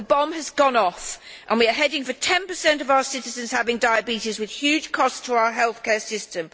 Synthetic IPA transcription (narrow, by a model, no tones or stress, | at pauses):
əbɒ̃məzɡɒ̃nɒf | ʔə̃nwiəɦɛdɪ̃ŋfətʰɛ̃npəsɛ̃ntʌvaʊəsɪtɪzə̃nz̥havɪ̃ŋdaɪəbiˑtɪzwɪð̥hjʉd̥ʒ̥kʰɒstʰəaʊəɦɛlˠθkʰɛːsɪstə̃m